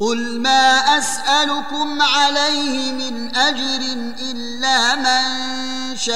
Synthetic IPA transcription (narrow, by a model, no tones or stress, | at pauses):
qʊl | maːʔasʔalʊkʊmʕalajhɪmɪnʔad͡ʒɾɪnʔɪlːaːman | ʃa